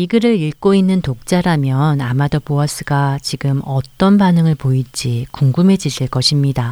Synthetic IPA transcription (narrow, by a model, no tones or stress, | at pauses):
iɡɯɾɯɾiɭk͈oinːɯntok̚t͡ɕ͈aɾamjʌnamadʌpoas͈ʰɯɡat͡ɕiɡɯmʌt͈ʌnbanɯŋɯɭpoid͡ʑ͈ikuŋɡumɦe̞d͡ʑiɕʰiɭk͈ʌɕʰimɲida